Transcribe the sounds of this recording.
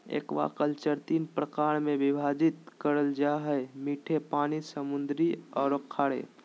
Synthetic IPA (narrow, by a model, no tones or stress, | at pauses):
ḛːkʋa̰kəlt͡ʃəɾt̪iːnpɾəkaːɾmẽbɪbʱaːd͡ʒit̪kəɾəld͡ʒaɦɛmiːʈʰepaːnisəmʊnd̪ɾiɔːɾokʰːaːɽḛ